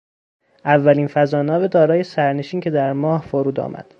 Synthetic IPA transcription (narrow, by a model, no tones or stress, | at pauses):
ʔævːæliːnfæzɒːnɒːved̪ɒːɾɒːje̞sæɾne̞ʃiːncʰe̞d̪æɾmɒːhfoɾuːd̪ɒ̰ːmʔæ̰d̪̥